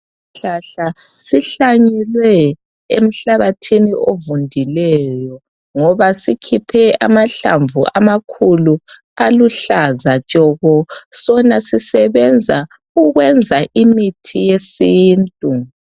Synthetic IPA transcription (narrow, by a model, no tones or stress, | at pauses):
ɬaɬa | siɬaɲɛlwɛ | ḛm̩ɬaβatʰiniʔovundʱilɛjɔ | ŋɔβasikʰipʰɛa̰maɬa̰ɱvuʔa̰makʰulu | aluɬazat͡ʃʼɔɣɔsɔnasisɛβɛnd͡zʱa | uɣwɛnd͡zʱaʔimitʰijesiːntʼu